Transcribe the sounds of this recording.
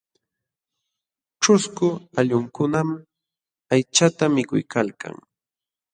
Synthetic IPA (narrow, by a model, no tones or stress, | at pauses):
ʈ͡ʂʊskʊaʎʊŋkʊnam | ajt͡ʃat̪amɪkʊ̰jkʰalka̰ŋ